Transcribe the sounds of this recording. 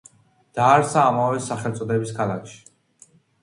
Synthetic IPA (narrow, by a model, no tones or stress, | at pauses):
d̪̥aːɾsaːmavɛsaχɛlt̪sʼɔd̪ɛbiskʰalakʰʃi̥